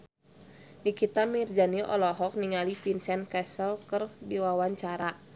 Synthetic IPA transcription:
nikit̪amird͡ʒaniʔɔ̰lɔɦɔk̚niŋalifinsɛnkɛsəlkərdiwawaɲt͡ʃaɾa

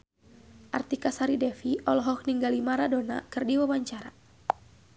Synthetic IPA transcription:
ʔart̪ikasaɾidɛfiʔɔlɦɔk̚niŋɡalimaɾadona̰kɨrdiwawaɲt͡ʃaɾa

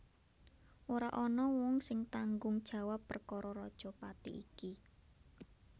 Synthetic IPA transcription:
ʔoɾa̰ʔɔnɔwɔŋsɪŋt̪aŋɡʊŋd̥ʒ̥ä̤wapːərkɔɾɔɾɔd̥ʒ̥ɔ̤pat̪ḭʔiki

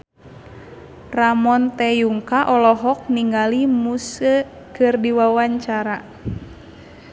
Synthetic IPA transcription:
ramɔnt̪ɛjuŋkaʔɔlɔɦɔk̚niŋɡalimusə | kɨrdiwawaɲt͡ʃaɾa

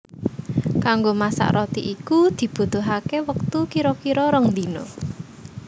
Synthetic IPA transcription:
kaŋɡomasa̰ʔɾʔɔt̪ḭʔikud̪̥i̤b̥ṳt̪oɦakewək̚t̪ukiɾɔkiɾɔɾəŋnd̪ino̰

